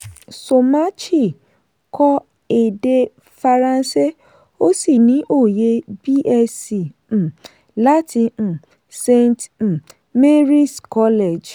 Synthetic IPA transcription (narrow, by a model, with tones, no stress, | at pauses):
so˨ma˦t͡ʃi˦˨ | kʰɔ˦ | e˨de˧ | fa˧ɾã˧n˦se˦ | o˦si˦˨nĩ˨˦ʔo˦˨je˧bi˦ʔɛ˧sĩ˨ | la˦tĩ˧˨ | se˧nt̩˨ | me˦ɾi˦skɔ˦le˦˨d͡ʒ